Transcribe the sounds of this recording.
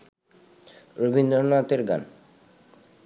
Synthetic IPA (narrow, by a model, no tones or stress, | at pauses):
ɾobʱind̪oɾnat̪eɾɡa̰n